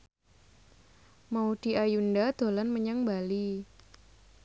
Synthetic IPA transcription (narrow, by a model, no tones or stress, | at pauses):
maud̪̥i̤ʔajundad̪̥o̤lanməɲaŋbali